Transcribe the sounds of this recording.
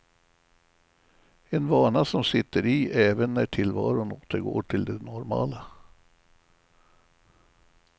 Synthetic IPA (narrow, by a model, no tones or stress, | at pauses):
ɛnvɑːɳasɔmsɪt̪ːəɾɪʔɛːvənːæʈʰɪlvɑ̰ːɾʊnoːt̪əɾɡo̰ːʈʰɪld̪ɛnɔɾmɑ̰ːla